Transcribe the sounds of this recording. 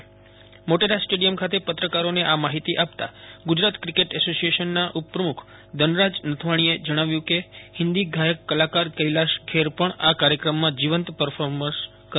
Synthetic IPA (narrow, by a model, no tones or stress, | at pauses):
moʈeɾasʈeɽijəmkʰat̪epət̪ɾəkaɾoneʔamaɦit̪iʔapt̪a̰ɡud͡ʒɾat̪kɾikeʈɛsosieʃənːaʔupɾəmukʰ | d̪ənɾad͡ʒnət̪ʰʋaɽ̃ied͡ʒəɽ̃aʋjũkehɪnd̪iɡʱajəkːəlakaɾkəilaʃkʰeɾpəɳakaɾjəkɾəmːãd͡ʒiʋənt̪pəɾfʰoɾməɾs | kə